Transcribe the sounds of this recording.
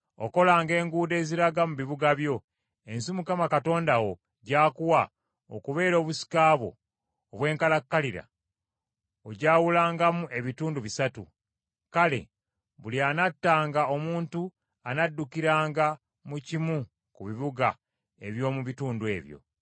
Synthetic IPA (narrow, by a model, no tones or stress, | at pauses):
o̰ko̞laːŋɡe̞ːŋɡuːde̞ːziɾaɡamuβiβuɡaβjo̞ | e̞nsimukamakato̞ːndawo̞ | ɟaːkuwa | o̰kuβe̞ːɾo̞ːβusi̥kaːβo̞̰ː | βwe̞ːŋkalakːaliɾa̰ | oɟaːwulaːŋɡamuʔe̞βituːnduβisatṵ | kale̞̰ | βulianatːaːŋɡao̞muːntu | anadːukiɾaːŋɡa | mucimu | kuβiβuɡa | e̞βjo̞ːmuβituːnduwe̞̰ːβjo̰